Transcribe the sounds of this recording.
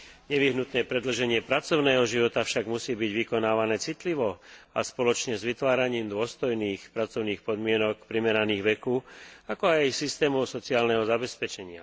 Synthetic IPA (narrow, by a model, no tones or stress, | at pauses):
ɲɛʋiɦnut̪nɛːpɾɛd̪l̩ʒɛɲɪɛpɾat͡sɔʊnɛːɦɔʒiʋɔt̪afʃaɡmusiːbiɟʋikɔnaːʋanɛːt͡sit̪liʋɔaspɔlɔt͡ʃɲɛzʋit̪ʋaːɾaɲiːmd̪ʊɔst̪ɔjniːxpɾat͡sɔʊniːxpɔd̪mɪɛnɔkpɾimɛɾaniːɣʋɛkuːakɔajsist̪ɛːmɔʊsɔt͡siaːlnɛɦɔzabɛspɛt͡ʃɛɲɪa